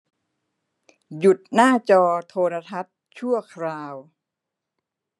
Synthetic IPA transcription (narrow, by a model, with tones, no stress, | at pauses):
ju˨˩t̪̚naː˥˩t͡ɕɔː˧t̪ʰoː˧ɾa˧t̪ʰa˦˥t̪̚t͡ɕʰu˥˩ɐkʰɾaː˧w